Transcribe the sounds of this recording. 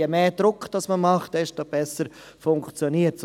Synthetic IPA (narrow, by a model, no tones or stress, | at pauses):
jɛmeːd̥ɾʊkːd̥ɑsməmɑχt̚d̥ɛʃtob̥ɛsəɾ | fʊŋkt͡sjoniːəts